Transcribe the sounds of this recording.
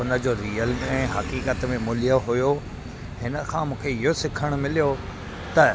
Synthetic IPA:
ʊnə̆d͡ʑoːɾiːəlɛ̃ːɦɐkiːkət̪mẽmʊlijaɦʊjo | ɦɪnə̆kʰãːmũːkʰeɪɦosɪkʰəɽ̃ʊmɪlijo | t̪ɐ

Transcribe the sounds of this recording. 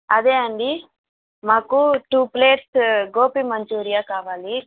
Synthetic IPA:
ɐd̪eːɐɳɖi | maːkuʈuːpleːʈsɡoːpimɐɲt͡ʃuːɾijaːkaːʋaːli

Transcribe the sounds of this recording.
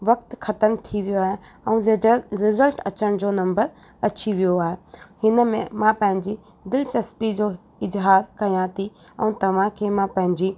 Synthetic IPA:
ʋɐk̚t̪xʰɐt̪əmt̪ʰiʋijoaːɦe | ɛ̃ũɾɪzəlʈɐt͡ɕəɽ̃d͡ʑoːnɐ̃mbəɾ | ɐt͡ɕiʋijoaːɦehɪnəmẽmãpɐ̃ɦɪ̃ɲd͡ʑi | d̪ɪlt͡ɕɐspid͡ʑoː | ɪzɦaːɾkɐjãt̪ʰi | ɛ̰̃ũt̪ɐʋ̤ãkʰeːmãpɐ̃ɦɪ̃ɲd͡ʑi

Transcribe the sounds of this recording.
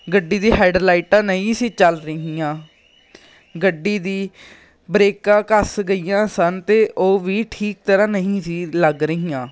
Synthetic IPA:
ɡəɖːiːd̪iːɦaːɪɖlaːɪʈãːnəɦĩːsiːt͡ʃəlɾəɦiːãː | ɡəɖːiːd̪iː | bɾeːkãːkəsɡəiːjãːsənt̪eːʔoːʋiːʈʰiːk̚t̪əɾãːnəɦĩːsiːləɡɾəɦiːãː

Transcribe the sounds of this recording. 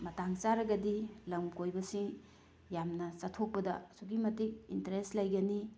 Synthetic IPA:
mɐtaŋt͡ʃaɾɐɡɐdilɐmkojbɐsiŋ | jamnɐt͡ʃɐtʰok̚pɐdɐsuɡimɐtik̚intɐɾestlɐjɡɐni

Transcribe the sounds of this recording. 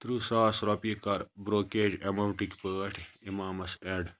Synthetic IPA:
t̪ɾuːsaːsɾopikɐɾbɾoːkeːd͡ʒemɐɳʈikpəːʈʰimaːmɐseɖ

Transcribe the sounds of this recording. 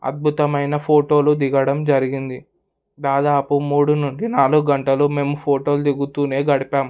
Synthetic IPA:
ɐ̰d̪̚bʱut̪ɐmɐjnɐpʰo̞ːʈo̞ːlud̪iɡɐɽɐmd͡ʒɐɾiɡind̪i | d̪aːd̪aːpumuːɽunuɳɖinaːluɡɡɐɳʈɐlume̞ːmupʰoːʈo̞ːlud̪iɡut̪uːne̞ːɡɐɽipaːm

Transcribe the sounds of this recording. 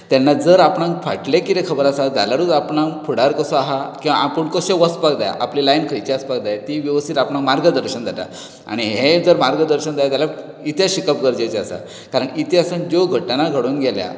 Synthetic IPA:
t̪janːad͡zəɾapɳãŋkfaʈlekit̪ekʰəbəɾasad͡z̪a̰laɾud͡zapɳãŋpʰuɽaɾkəsɔaɦakĩw̃ʋaapuɳkoɕeʋəspakd̪aja̰ʔaplilajnkʰəɾit͡ɕeaspak̚d̪ajat̪iʋiʋəst̪ʰit̪apɳãŋkmaɾɡəd̪əɾɕənd͡zʱat̪a̰ | a̰ɽ̃iɦɦed͡zəɾmaɾɡəd̪əɾɕənd͡z̪ʱajat̪jala | it̪ʰjaɕikəpɡəɾd͡ʑajt͡ɕeasa̰ | kaɾəɳit̪ʰjasənd͡ʑoɡʱəʈːnaɡʱəɽuːnɡʱelja̰

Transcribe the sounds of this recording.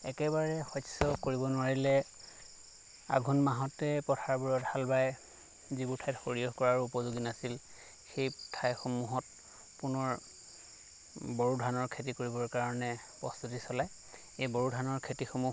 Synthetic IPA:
ɛkɛbaɹɛxɔsɔkoɹibɔnʊwaɹilɛ | a̰ɡʱunmaɦɔtɛpɔtʰaɹbuɹɔthalbaj | zibuɹtʰajtxoɹijɔɦkɔɹaɹuupɔzoɡinasil | xejtʰajxomuɦɔt̚ | punɔɹ | bɔɹudʱanɔɹkʰetikoɹibɔɹkaɹɔnɛ | pɹɔst̪utisɔlaj | ejbɔɹudʱanɔɹkʰetixomu

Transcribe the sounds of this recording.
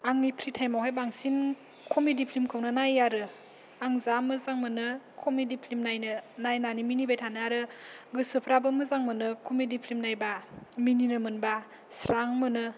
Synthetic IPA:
aŋipʰɾitʰajmawɦajbaŋsin | kʰomidipʰlimkʰɯwnɯnajaɾɯ | aŋzamɯzaŋmɯnɯkʰomidipʰlimnajnɯnajnaniminibajtʰanɯaɾɯɡɯsɯpʰɾabɯmɯzaŋmɯnɯkʰumidipʰlimnajbamininɯmɯnba | sɾaŋmɯnɯ

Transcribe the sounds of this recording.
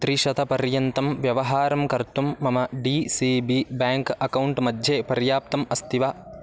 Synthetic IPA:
t̪ɾiʃɐt̪ɐpɐɾjɐnt̪ɐmʋjɐʋɐɦaːɾɐmkɐɾt̪umːɐmɐɖiːsiːbiːbjaːŋkɐkɐwɳʈmɐd̪ʱjeːpɐɾjaːp̚t̪ɐmɐst̪ʰiʋaː

